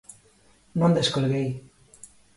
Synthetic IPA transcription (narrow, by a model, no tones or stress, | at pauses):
nond̪eskolɣej